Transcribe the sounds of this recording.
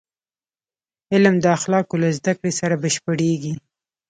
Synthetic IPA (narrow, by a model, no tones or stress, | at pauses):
ɪlmd̪əaxlɑkolazd̪akɽesaɾabəʃpəɽeɡi